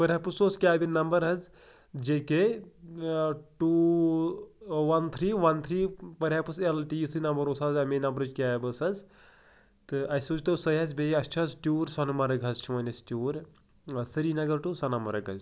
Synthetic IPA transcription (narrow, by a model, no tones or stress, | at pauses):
pɐɾʲaːpusoːskʲaːbʲinnːɐmbɐɾɦɐz | d͡ʒeke | ʈu | ʋɐnt̪ʰɾiːʋɐnt̪ʰɾiːpɐɾʲaːpɨselʈijisʰɨnɐmbɐɾoːsaːzɐmenɐmbɐɾɨd͡ʒkʲaːbɐsɐz | t̪ɨɐjsoːt͡ʃt̪ɐwsɐjɦɐzʲbeɐst͡ʃʰɐzʈʲjuːɾsɐnɐmɐɾɐɡɐzt͡ʃʰimɐnʲɐsʈʲuːɾʲ | sɨɾiːnɐɡɐɾʈusɐnɐmɐɾɐɡɐ̰z